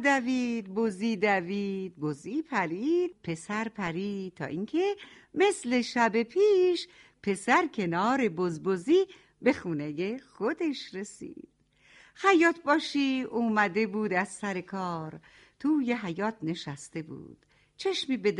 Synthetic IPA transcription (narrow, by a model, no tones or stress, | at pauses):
d̪æviːd̪̚boziːd̪æviːd̪̥̚boziːpʰæɾiːd̪̥̚pʰe̞sæɾpʰæɾiːt̪ʰːɒ̰ːʔiŋkʰe̞ | me̞sle̞ʃæbe̞pʰiːʃ | pʰe̞sæɾkʰe̞nɒːɾe̞bozboziː | be̞xuːnejexod̪e̞ʃɾe̞sḭːd̪̥ | hæjɒːt̪ʰbɒːʃiːuːmæd̪e̞buːd̪æzsæɾe̞kʰɒːɾ | t̪ʰuːjeɦæjɒːt̪̚ʰne̞ʃæst̪e̞bṵːd̪̥ | t͡ʃʰeʃmiːbed̪